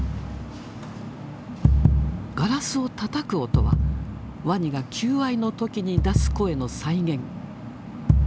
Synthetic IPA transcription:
ɡ̥aɾasɨo̞t̪at̪akɯ̟o̞t̪o̞̰βa̰ | βaɲ̟iɡakʲʰɨːaino̞t̪o̞kʲiɲ̟id̪asɨ̥ko̞e̞no̞saiɡẽ̞ŋ

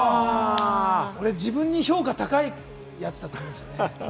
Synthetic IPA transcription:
a | o̞ɾe̞d͡ʑibɯ̟̃ɲ̟ːiço̞ːkat̪akai | jat͡sɨ̥d̪at̪okimd̪sɨjo̞ne

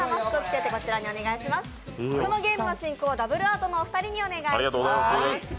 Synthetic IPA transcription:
amasɨ̥k̪ɯokʲi̥t̪et̪e̞ko̞t͡ɕiɾaɲ̟io̞ne̞ɡaiɕimasɨ̥koɾonoɡe̞ːmɯnoɕĩŋkoːd̪abɯ̟ɾɯ̟aːt̪o̞no̞ːɸɯ̟̥t̪aɾʲiɲ̟io̞ne̞ɡaaɾiɡat̪oːɡozajmas

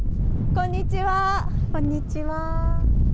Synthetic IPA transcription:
kõɲːit͡ɕiβakõɲːit͡ɕiβa

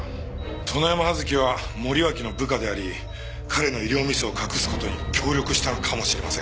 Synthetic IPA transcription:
t̪ʰo̞najamahazɨkʲiβ̞amo̞ɾʲiβakʲino̞bɯ̟kad̪e̞aɾʲi | kʰaɾe̞no̞iɾʲo̞ːmʲisɨokʰakɯ̟sɨ̥ko̞t̪o̞ɲ̟ikʲʰo̞ːɾʲo̞kɯ̟ɕi̥t̪anokʰamo̞ɕiɾe̞masẽ̞

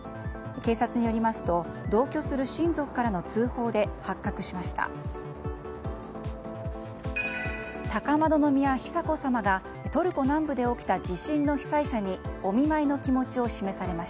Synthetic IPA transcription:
ke̞ːsat͡sɨɲ̟ijo̞ɾʲimasɨ̥t̪o̞ | d̪o̞ːkʲo̞sɨɾɯ̟ɕĩnd͡zo̞kɯ̥kːaɾano̞t͡sɨːho̞ːd̪e̞hakːakɯ̟̥ɕimaɕi̥t̪a̰ | t̪akamad̪o̞no̞mʲiaçi̥sako̞samaɡa | t̪o̞ɾɯ̟ko̞nãmbɯ̟d̪e̞o̞kʲi̥t̪ad͡ʑiɕĩnnːo̞çi̥saiɕaɲ̟io̞mʲimaino̞kʲimo̞t͡ɕio̞ɕime̞saɾe̞maɕ

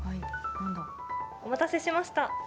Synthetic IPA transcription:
hainãnd̪a | omat̪ase̞ɕimaɕi̥t̪a

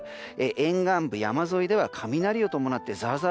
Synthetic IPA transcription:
eʔẽ̞ŋɡãmbɯ̟jamazo̞id̪e̞βakʰamʲinaɾʲio̞t̪omo̞nat̪ːe̞zaːza

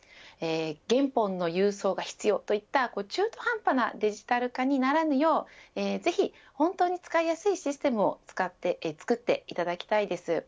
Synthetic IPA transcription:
eːɡẽ̞mpõ̞nːo̞jɯːso̞ːɡaçi̥t͡sɨjo̞ːt̪o̞it̪ːako̞ːt͡ɕɨːt̪o̞hãmpana̰d̪e̞ʑi̥t̪aɾɯ̟kaɲ̟inaɾanɯ̟jo̞ːeːze̞çi | hõ̞nt̪o̞ːɲ̟it͡sɨ̥kaijasɨiɕisɨ̥t̪e̞mɯ̟o̞̰t͡sɨ̥kat̪ːet͡sɨ̥kɯ̟t̪ːe̞it̪ad̪akʲi̥t̪aid̪e̞sɨ

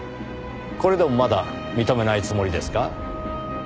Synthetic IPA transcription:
ko̞ɾe̞d̪e̞mo̞mad̪a | mʲit̪o̞me̞nait͡sɨmo̞ɾʲid̪e̞sɨ̥ka

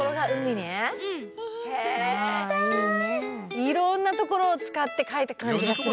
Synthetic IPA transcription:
oɾo̞ɡaɯ̟mine | he | ɯ | iɾõnːat̪o̞ko̞ɾo̞ːt͡sɨ̥kat̪ːe̞kait̪akãɲ̟d͡ʑiɡasɨ

